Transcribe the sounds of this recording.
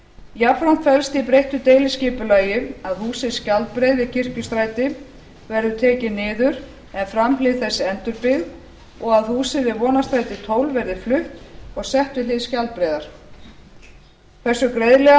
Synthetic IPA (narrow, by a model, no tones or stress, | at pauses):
japɾawn̥t̪fɛlst̪ipɾejht̪ʏt̪eːjlɪscɪːpʏlaːjɪaðhuːsɪscalt̪̚pɾejðɪcʰɪr̥cʏst̪ɾaːjt̪ɪ | vɛɾðʏt̪ʰɛːcɪnɪːðʏɾ | ɛnfɾamflɪðθɛsːɪɛnt̪ʏɾpɪð | ɔɣaðhuːsɪvɪvɔːnast̪ɾajt̪ɪt̪ʰoːwlvɛɾðɪflʏht̪ɔɣsɛht̪ɪlɪðscalt̪̚pɾɛːðaɾ̥ | kθɛsːʏkɾejðlɛɣ